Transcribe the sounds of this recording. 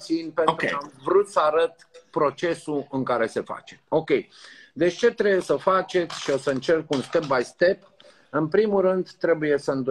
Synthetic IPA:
sinpent̪ɾamvɾut̪səaɾət̪pɾo̞t͡ʃe̞suɨŋkaɾe̞se̞fa̰t͡ʃemo̞kʲe̞jd̪e̞t͡ʃʲt͡ʃe̞t̪ɾeujesəfat͡ʃe̞t̪sʲʃio̞səɨnt͡ʃe̞rkunst̪e̞p̚bajst̪e̞p | ɨnpɾimuɾɨnd̪t̪ɾe̞buje̞səɨnd̪u

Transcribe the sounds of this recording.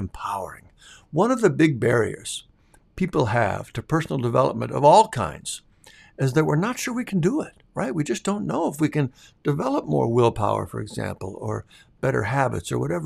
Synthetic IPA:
mpʰaʊə̰˞ɪ̰̃ŋ | wʌ̃nʌvðɨbɪɡ̚bɛɹḭə̰˞z̥ | pʰipl̩ˠɨ̰v̥tʰɨpʰɜ˞sn̩l̩ˠdəvɛlˠəp̚mɨ̰̃ñtʌ̰vɔlˠkʰã̰ɪ̃ndz̥ | ɨzðət̚wəɹnətʃʊɹwikʰn̩dəɪt̚ɹaɪt̚wid͡ʒʌsd̥õʊ̃nːoʊəfwikɨ̃nd̥ɨvɛlˠəp̚mɔ̰ɹwɪlˠpʰaʊə̰˞fə̰˞ɨɡzæ̰̃mpl̩ˠə˞ | b̥ɛɾə̰˞hæbɨ̰tsə̰˞wʌɾɛvə˞

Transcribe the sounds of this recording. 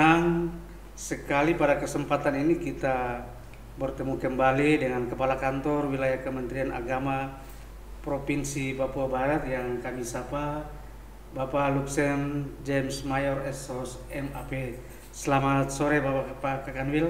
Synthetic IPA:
aŋ | səkalipadakəsəmpat̪aninikit̪a | bərt̪əmukəmbalidəŋankəpalakant̪ɔrwilajahkəmənt̪ɾiana̰ɡama | pɾɔpinsipapuabaɾat̪jaŋkamisapa | bapaluksɛnd͡ʒɛmsmajɔrɛsɔs | ɛmapɛ | səlamat̪̚sɔɾɛbapapakakanwil

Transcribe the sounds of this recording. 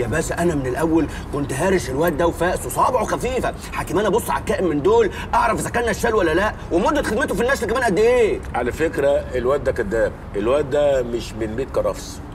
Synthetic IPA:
jæbæsæʔænæmenelʔæwːæl | kont̪ɦæːɾeʃelwæʔt̪̚d̪æwfæːʔsosˤɑːbeʕwxæfiːfæ | ħaːkemʔænæbosˤːʕa̰lkːæːʔemːend̪oːl | ʔɑʕɾˤɑfʔezækænæʃːælːwælːælæʔwemod̪ːæt̪xed̪met̪̬ofinːæʃlkæmæːnʔæd̪ːʔeːʕalæfekɾæelwæt̪̚d̪ːækod̪ːæːmʔelwæt̪̚d̪æmɪʃmenbeːt̪̚kɑɾˤɑ̰fsˤ

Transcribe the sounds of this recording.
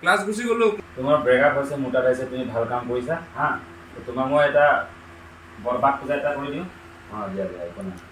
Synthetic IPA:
klasɡʱus̬iɡolʊtʊmaɹbɹɛɡatɦɔsɛmutapajsɛtumibʱalkamkoɹisaɦã | tɔtʊmamojɛta | bɔɹbak̚puzaɛtakoɹidiʊ̃ | ɔbijabiajkɔna

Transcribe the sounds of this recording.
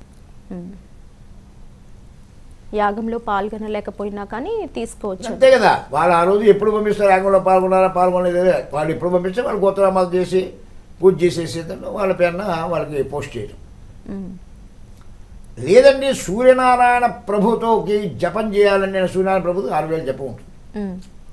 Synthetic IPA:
jaːɡɐmlo̞ːpaːlɡɐnɐlɛːkɐpoːjinaːkaːnit̪iːsu̥koːʋɐt͡ʃːɐt̪eːɡɐd̪a̰ːʋaːɭːaːɾo̞ːd͡ʒue̞pːuɽubʱɐmbist̪aːɾjaːɡɐmloːpaːlɡɐnːaːɾapaːlɡɐnled̪ɐd̪eʋaːɭːepːuɽubʱɐmbist̪aːʋaːɭːkɔt̪ːɐɾaːmɐːt̪ɐt͡ʃeːsi | puːt͡ʃeːseːseːnd̪ɐnːuʋaːɭːɐpɛːɾnːɐʋaːɭːɐkipoːsʈt͡ʃɛ̰jɐ̰u | lɛːd̪ɐɳʈiːsuːɾjɐnaːɾaːjɐnɐpɾɐbʱut̪ʋɐkid͡ʒɛpɐnt͡ʃɛːjaːlɐnːiɐnɐsuːɾɐnaːjɐnɐpɾɐbʱut̪ʋɐaːɾuɡɐːnɐd͡ʒɛpːɐuɳʈund̪ii̥

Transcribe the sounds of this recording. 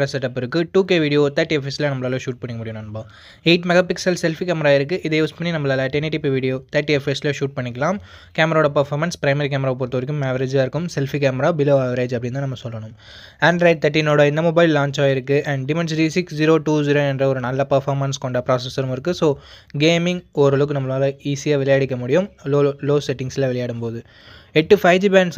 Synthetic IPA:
ɾɐsɛʈːɐpːɪɾɯkːɯʈuːkeːʋiːɽɪjoːt̪ɐɾʈːiɛfesɪlɐnɐmːɐlaːlɐʃuːʈ̚pɐɳːɪkɐmʊɽɪjɯñɐɳɯbaː | eːʈmɛɣaːpɪksɐlsɛlfikaːmɐɾaːɪɾɯk̬ːɯʔɪðɐjuːspɐɳːinɐmːɐlɐlɐʈeneʈːipiʋiːɽijoːt̪ɐɾʈːiɛfesɪlɐʃuːʈ̚pɐɳːɪkːɐlaːm | kaːmɐɾaoːɽɐpɐɾfaːɾmɐnspɾɐɪmɐɾikaːmɐɾaːp̬oːɾt̪ːoːɾɪk̬ːɯmɛʋɐɾeːd͡ʒaːɪɾɯkːɯmsɛlfikaːmɐɾaːbɪloːɐʋɐɾeːd͡ʒɐpːɐɽɪnd̪ɯnɐmːɐsɔlːɐɳɯm | ɐnɖɾɐɪɖ̚t̪ʰɐʈːinoːɽɐɪnd̪ɐmɔbɐɪlːaːɲt͡ʃaːjɪɾɯkːɯʔɐɳɖɖɪmɛns̬ʈisɪksd͡ʒiɾoːʈuːd͡ʒiːɾoːɛndrɐɔɾɯnɐlːɐpɐɾfaːɾmɐnskɔɳɖɐpɾaːsɛsɐɾɯmɪɾɯkːɯsoː | ɡeːmɪŋɡoɾɐlɯk̬ːɯnɐmːɐɭaːlɐiːsijaːʋɪlɐjaːɽɪkːɐmʊɽɪjɯmloːloːsɛʈːɪŋɡsɪlɐʋɛlɐjaːɽɯmpoːðɯ | eʈːɯfɐɪʋd͡ʒiːbaːɳɖs

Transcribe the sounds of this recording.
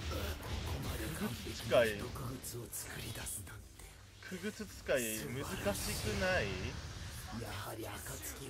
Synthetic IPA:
kʰokomad̪ekɯɡɯt͡sɨ̥t͡sɨ̥kaiiokɯɡɯ̟t͡sɨot͡sɨ̥kɯɾʲid̪asɨat̪e̥ | kʰɯ̟ɡɯ̟t͡sɨt͡sɨ̥kaimɯ̟zɨkaɕikɯ̟nai | jahaɾʲiakat͡sɨ̥kʲi

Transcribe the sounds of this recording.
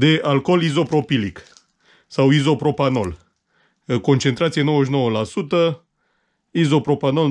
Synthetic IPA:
d̪e̞ʔalko̞lizo̞pɾo̞pilik | sawizo̞pɾo̞pano̞l | ko̞nt͡ʃe̞nt̪ɾat̪sijeno̞weʃ̬no̞wəlasut̪ə | izo̞pɾo̞pano̞l

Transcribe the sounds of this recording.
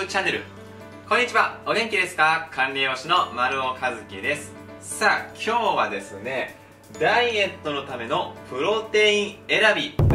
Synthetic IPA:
t͡ɕane̞ɾɯ̟̰ | kõ̞ɲ̟ːit͡ɕiβao̞ɡẽ̞ŋkʲid̪e̞sɨ̥kakʰãnɾʲio̞ːɕino̞maɾɯ̟okʰazɨkʲid̪e̞sɨ̥ | saːkʲʰo̞ːβad̪e̞sɨne̞ | d̪aie̞t̪ːo̞no̞t̪ame̞no̞ɸɯ̟ɾo̞t̪e̞ĩɰ̃e̞ɾabʲi

